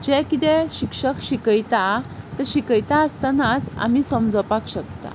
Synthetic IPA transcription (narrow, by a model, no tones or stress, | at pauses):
d͡ʑɛkit̪ɛ̃ɕikʂəkɕikəjt̪at̪əɾɕikəjt̪aəst̪anat͡sa̰m̤iːsəmd͡zɔpakɕəkt̪a̰